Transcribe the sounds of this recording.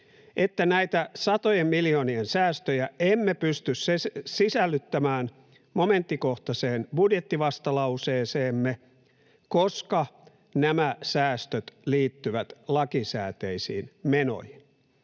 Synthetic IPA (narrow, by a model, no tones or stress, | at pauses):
ʔet̪ːænæit̪æsɑt̪ojemmiljoːniensæːst̪øjæemːepyst̪yssesisælːyt̪ːæmæːn | moment̪ːikoht̪ɑseːnb̥udjet̪ːiʋɑst̪ɑlɑuseːseːmːe | koskɑ | næmæsæːst̪øt̪liːt̪ːyʋæt̪lɑkisæ̰ːt̪eisḭːnmeno̰hin